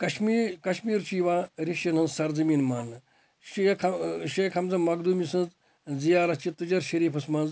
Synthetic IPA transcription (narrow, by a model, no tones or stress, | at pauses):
kɐʃmiːkɐʃmiːɾt͡ʃiʋaːɾiʃjɐnɐnzsɐɾd͡zɐmiːnmaːnːɨ | ʃkʰɐʃekʰɐmzɐmɐɡ̚d̪uːmisɐ̃nz | d͡zijaːɾɐst͡ʃit̪ːɨd͡ʒɐɾʃɐɾiːpʰɐsmɐnz